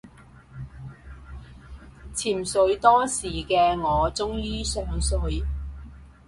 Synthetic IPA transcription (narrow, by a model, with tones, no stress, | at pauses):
t͡sʰiː˨˩msɵ˨˧˥ɥt̪ɔː˥siː˨˩kɛː˧ŋɔː˨˧t͡sʊ˥ŋjiː˥sœː˨ŋsɵ˨˧ɥ